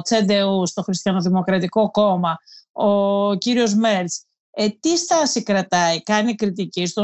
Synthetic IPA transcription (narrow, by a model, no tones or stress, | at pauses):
t͡sed̪e̞ust̪o̞xɾist̪ijɐnoðimo̞kɾɐt̪iko̞ko̞mɐociɾio̞zmeɾt͡s | et̪ist̪ɐsikɾɐt̪ɐikɐnikɾit̪icist̪o